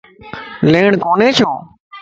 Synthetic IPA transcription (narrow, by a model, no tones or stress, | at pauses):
leːɳkoːneːt͡ʃʰjõː